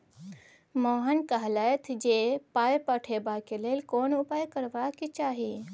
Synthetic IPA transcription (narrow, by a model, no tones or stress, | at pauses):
moːɦənkəɦləjt̪ʰd͡ʒepaːjpəʈʰebakeleːlkoːnʊpaːjkəɾʋakit͡ʃaːɦi